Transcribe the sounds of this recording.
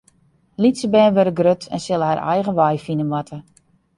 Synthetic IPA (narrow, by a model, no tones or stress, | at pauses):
litsəbɛːʋøɾəɡrøtʰɛ̰nsɪlˠəharʔɛ̰jɣəʋajfinənʋatʰə